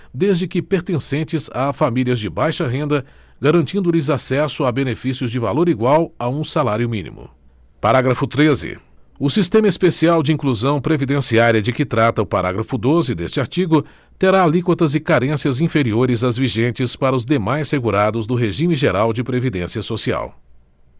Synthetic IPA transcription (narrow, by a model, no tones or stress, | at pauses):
d̪ezd͡ʒɪkɪpeɾt̪ẽsẽnt͡ʃɪzafamiliɐzd͡ʒɪbajʃɐɦẽnd̪ɐ | ɡaɾɐ̃nt͡ʃĩnd̪ʊlɪzasɛsʊabenefisjʊzd͡ʒɪvaloɾiɡwawaũsalaɾjʊmĩnḭmʊ̰ | paɾaɡɾɐfʊt̪ɾezɪ̰ | ʊsist̪ẽmɐispesiawd͡ʒɪĩŋkluzɐ̃w̃pɾevid̪ẽsiaɾiɐd͡ʒɪkɪt̪ɾat̪ɐʊpaɾa̰ɡɾɐfʊd̪ozɪd̪est͡ʃɪaɾt͡ʃiɡʊ | t̪eɾalikwɐt̪ɐzɪkaɾẽsiɐzĩfeɾioɾɪzɐzviʒẽnt͡ʃɪspaɾɐʊzd̪emajsseɡuɾad̪ʊzd̪ʊɦeʒĩmɪʒeɾawd͡ʒɪpɾevid̪ẽsiɐsosia̰w